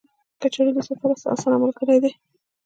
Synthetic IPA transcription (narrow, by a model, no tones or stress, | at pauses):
kat͡ʃaɽilisafaɾasa̰sanamalkəɽed̪e